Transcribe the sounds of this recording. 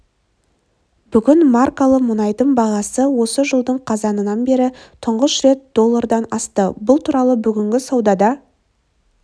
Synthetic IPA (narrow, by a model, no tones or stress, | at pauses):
b̥ʏɡʲɪnmarkalˠəqmʊnɑjd̪əmbɑʁɑsəwo̞səʒəlˠd̪əɴqʰɑzɑnənɑnbe̞ɾɪt̪ʰʊɴʁəsʃɾe̞t̪̚d̪o̞lˠːaɾd̪ɑnɑst̪əbʊlˠt̪ʰuɾɑlˠəbʏɡʲɪŋɡʲɪsɑwd̪ɑd̪ɑ